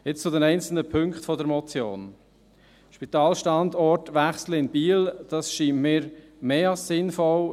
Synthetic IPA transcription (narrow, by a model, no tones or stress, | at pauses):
jɪt͡st͡sʊdɛnɛɪnt͡sl̩nəpʰʏŋkχtfɔdəɾmɔt͡sjo̰ːn | ʃpit̪ɑːlʃtɑndɔɾtʋæχsləɪnb̥iːld̥ɑsʃiːnmɪːɾmeːɑlssɪnfɔl